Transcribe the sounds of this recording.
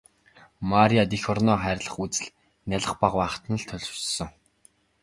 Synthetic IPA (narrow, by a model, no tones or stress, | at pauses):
maɾʲiat̪ixɔrnɔːχæːɾʲɮə̆χut͡sɘ̆ɮ | nʲaɮə̆χpaʁwaːχt̪ə̆nə̆ɮt̪ʰɵɮ̥t͡ɕsɞ̆ŋ